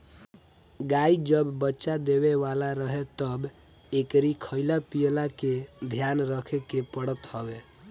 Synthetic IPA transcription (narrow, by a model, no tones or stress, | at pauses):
ɡaid͡ʒəbːətːʃad̪eweʋalaɾəɦet̪əb | ekɾikʰəɪlapijlaked̪ʱjanɾəkʰekepəɽət̪hɔbe